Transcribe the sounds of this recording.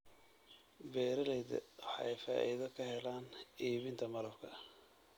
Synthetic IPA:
bɛːɾɐlɛjðɐ̰wɑħɑ̰ɛjfa̰ːʔiðɐkʰɐhɛlaːniːβɪnt̪ʰɐmɐlɐbkʰɐ

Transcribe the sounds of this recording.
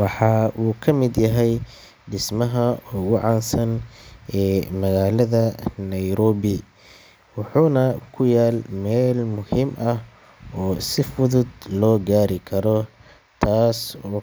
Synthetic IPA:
wɑħɑːʔuːkʰɐmɪd̪jɐɦɛj | ɖɪsmɐɦɐɔːɣʊʕɑːnsɐnʔɛːmɐɣaːlɐðɐnɐjɾɔːβɪ | wɑħuːnɐkʰʊjaːlmɛːlmʊhiːmʔɐh | ɔːsɪfʊðʊd̪lɔːɡaːɾɪkʰɐɾɔ | t̪ʰaːsɔː

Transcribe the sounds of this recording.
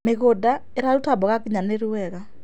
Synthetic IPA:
meɣoda | eɾaɾutabɔɣakiɲaneɾuwɛɣa

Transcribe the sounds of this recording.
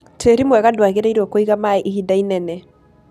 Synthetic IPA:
tʰeɾimwɛɣadwaɣeɾaiɾokoiɣamaɛʔihidainɛnɛ

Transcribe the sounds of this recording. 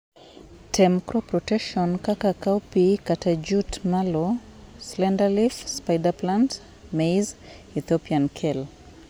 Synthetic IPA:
tʰɛmkɾɔpɾɔtɛkʃɔnkakakawpikatʰad͡ʒutmalɔ | slɛndalifspajdaplant | mejz | iθɔpiankʰɛl

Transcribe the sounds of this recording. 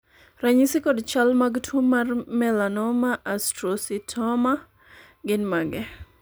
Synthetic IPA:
raɲisikɔdt͡ʃalmaɡtʰomarmɛlanɔmaʔastɾɔsitʰɔma | ɡɪnmaɡɛ

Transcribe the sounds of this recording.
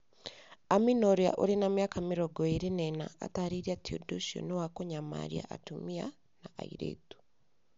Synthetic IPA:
aminoɾia̰ʔoɾenamjakamiɾɔɡɔeɾenɛnaa̰taɾiɾiatio̰doʃio̰newakoɲama̰ɾia̰ʔa̰tumia | naʔa̰ḭɾḛtu̥

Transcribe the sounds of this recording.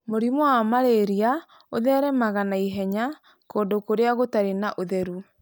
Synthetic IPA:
moɾimwamaɾeɾia | oðɛɾɛmaɣanaiɦɛɲa | koːndokoɾeaɣotaɾenaʔoðɛɾu

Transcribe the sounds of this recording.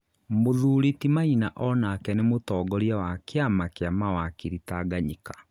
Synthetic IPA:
moðuɾitimainaʔɔnakɛnemotɔːɡɔɾjawakeamakeamawakiɾitaɡaɲikḁ

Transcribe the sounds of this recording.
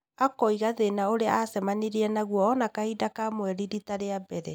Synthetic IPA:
akɔiɣaðenaoɾea̰asɛmaniɾiɛnaɣwɔːnakaidakamwɛɾiɾitaɾeabɛɾɛ

